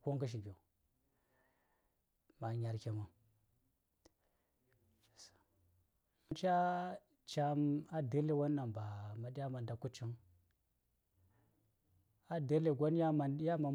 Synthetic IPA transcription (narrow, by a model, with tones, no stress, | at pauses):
ko˦ŋkə˦ʃ̬i˨bʲo˨ | ma˨ɲa˨ɾkʲe˨ma˨ | s | nt͡ʃa˦ | t͡ʃa˦ma˦də˦le˨wa˦nː˦a˨mba˨ma˨di˦ja˦ma˨nda˨ku˦t͡ʃi˦ŋ | a˦də˦le˨ɡʷo˦n˦ja˦ma˨ja˦ma˨